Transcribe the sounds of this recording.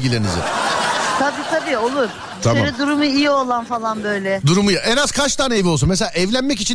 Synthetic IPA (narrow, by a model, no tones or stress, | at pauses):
ɟilʲenḭzɪ̰t̪ʰabiːt̪ʰabiːo̞lˠuɾ̥ʰ | amaɾid̪uɾumuijio̞lˠanfalˠanbøjlʲɛd̪uɾumujaʔɛnaz̥kʰat͡ʃd̪aːnevios̬unmes̬elʲaaʔɛvlʲænmɛc̬it͡ʃʰin